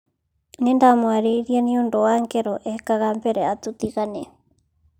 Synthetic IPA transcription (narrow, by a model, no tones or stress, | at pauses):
nendamoaɾejɾianiondoaŋkeɾoʔekaɣampeɾeat̪ut̪iɣane